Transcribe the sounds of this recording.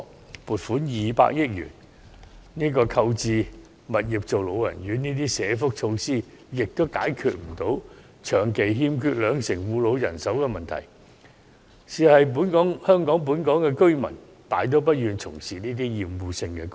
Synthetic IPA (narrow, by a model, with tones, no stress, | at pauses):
puː˨t̚fuː˨˥njiː˨pa̰ː˧k̚jɪ˥k̚jy̰ː˨˩n | niː˥kɔː˧kʰɐ˧wt͡siː˨ | mɐ˨t̚jiː˨˩p̚t͡so˨wlo˨˧wjɐ̰˨˩njyː˨˥˦niː˥t̪iː˥sɛː˨˥fʊ˥k̚t͡ʃʰo˧wsiː˥ | jɪ˨k̚t̪o˥wka̰ː˨˥jkʰyː˨t̚m̩˨˩t̪o˨˥w | t͡ʃʰœː˨˩ŋke˨jɦiː˧mkʰyː˧t̚lœː˨˧ŋsɪ˨˩ŋwuː˨˧lo˨˧wjɐ̰˨˩nsɐ˨˥wkɛ˧mɐ˨nt̪ʰɐ̰˨˩j | siː˨hɐ˨jp̬uː˨˥nkɔː˨˥ŋhœː˥ŋkɔː˨˥ŋp̬uː˨˥nkɔː˨˥ŋkɛ˧kɵ˥ɥmɐ̰˨˩n | t̪aː˨˥jt̪̬o˨˥wp̬ɐ˥t̚jyː˨nt͡sʰʊ̰˨˩ŋsiː˨˩niː˥t̪iː˥jiː˨muː˨˧sɪ˧ŋkɛ˧k